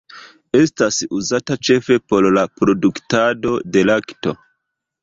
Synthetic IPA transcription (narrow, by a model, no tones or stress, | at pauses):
e̞stasuzatat͡ʃe̞fe̞po̞ɾlapɾo̞duktado̞de̞lakto̞